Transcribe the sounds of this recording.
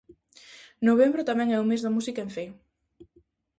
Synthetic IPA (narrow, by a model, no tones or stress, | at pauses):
noβ̞embɾʊt̪amɛ̃ŋɛumezðɐmusikaeɱfej